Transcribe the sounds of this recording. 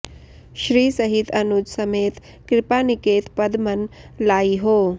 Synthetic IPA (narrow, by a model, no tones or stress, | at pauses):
ʃɾiːsɐɦit̪ɐnud͡ʒsɐmeːt̪ | kɾɪpaːnɪkeːt̪pɐd̪mɐnlaːiɦoː